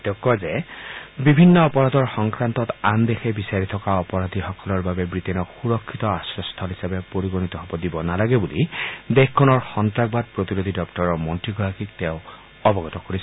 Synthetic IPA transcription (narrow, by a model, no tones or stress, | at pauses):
tɔkːɔzɛbibʱinːɔːpɔɹad̪ʱɔɹxɔŋkɹantɔtand̪exɛbisaɹit̪ʰɔkaɔpɔɹad̪ʱixɔkɔlɔɹbabɛbɹit̪ɛnɔkxuɹɔkʰːit̪ɔasɹɔst̪ʰɔlɦisabɛpoɹiɡonit̪ɔɦobɔdibɔnalaɡɛbulid̪exkʰːɔnɔɹxɔntɹaɡ̚bad̚pɹot̪iɹod̪ʱidɔktɔɹɔmɔntɹiɡɔɹakik̚tɛʊ̃ | ɔbɔɡɔt̪ɔkoɹis